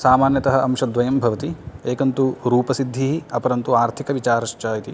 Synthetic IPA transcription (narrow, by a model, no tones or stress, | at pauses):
saːmaːnjɐt̪ɐɦɐɐmʃɐd̪ʋɐjɐmbʱɐʋɐt̪ieːkɐnt̪uɾuːpɐsid̪ʱːiɦiɐpɐɾɐnt̪uaːɾt̪ʰikɐʋit͡ʃaːɾɐʃt͡ʃaːjit̪i